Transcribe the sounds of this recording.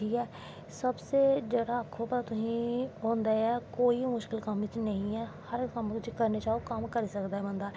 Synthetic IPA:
iːɛː | səbseːd͡ʒəɽaːəkʰːopət̪aːt̪ʊsĩːɦõːnd̪aːɛːkoːimʊʃkɪlkəmʋɪt͡ʃnəɦĩɛːhəɾkəmt̪ʊsĩːkəɾnet͡ʃaːokəmkəɾiːsəkd̪aːɛːbənd̪aː

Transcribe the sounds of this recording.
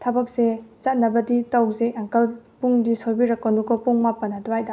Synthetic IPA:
tʰɐbɐk̚set͡ʃat̚nɐbɐditɐwzeʔaŋkɐlpuŋdisojbiɾɐkːɐnukɔpuŋmapːɐnɐdɔajda

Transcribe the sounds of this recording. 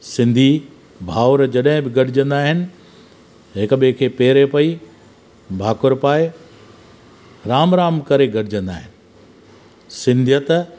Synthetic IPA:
sɪ̃nd̪ʱi | bʱaːʊɾd͡ʑɐɗɦɪ̃bɪɡɐɽɪd͡ʑə̃nd̪aːɦɪnɪ̆ | ɦɪkɓkʰeːpeːɾepɐi | bʱaːkʊɾpaːe | ɾaːmɾaːmkɐɾeɡɐɽ̤ɪd͡ʑə̃nd̪aːɦɪnɪ̆ | sɪ̃nd̪ʱjət̪

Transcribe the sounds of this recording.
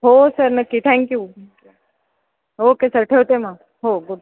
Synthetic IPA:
ɦoːsəɾnɐkit̪ʰɛ̃ŋkju | okesɐɾʈʰeot̪emãː | ɦoːɡʊɖ

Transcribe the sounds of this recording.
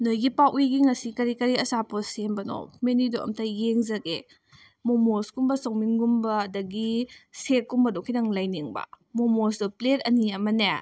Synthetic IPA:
nojɡipawʔujɡiŋɐsikɐɾikɐɾiɐsaposembɐno̰menidoɐ̰mtʰɐjeŋzɐɡe | momosɡumbɐsowminɡumbɐːdɐɡisekumbɐdokʰinɐŋlajniŋbɐ̰ | momos̬dopletɐniɐmɐne

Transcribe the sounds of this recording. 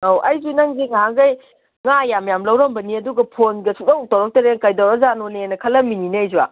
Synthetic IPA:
awʔɐjzunaŋɡiŋaɦaŋɡɐj | ŋajamjamlɐwɾɐmbɐniɐduɡɐpʰonɡɐsudowtawɾɐk̚tɐɾenkajdaɾɐzanonenɐkʰɐlːɐmininɐjzuwa̰

